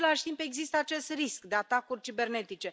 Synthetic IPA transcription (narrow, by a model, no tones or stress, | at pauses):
laʃʲt̪impe̞ɡzist̪əat͡ʃe̞st̪riskd̪e̞at̪akurʲt͡ʃibe̞rne̞t̪it͡ʃe̞